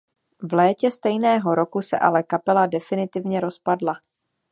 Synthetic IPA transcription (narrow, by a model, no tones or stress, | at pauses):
vlɛːcɛst̪ɛjnɛːɦo̞ɾo̞kusɛ̰ʔa̰lɛkapɛladɛfɪnɪt̪ɪvɲɛɾo̞spadla